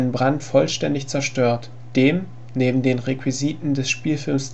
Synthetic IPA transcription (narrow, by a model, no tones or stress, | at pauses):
nənbʁantfɔlʃtɛndɪçt͡sɛɐʃtøːɐt | d̥eːm | neːbm̩deːnʁekw̥iziːtn̩dɛsʃpiːlfɪlms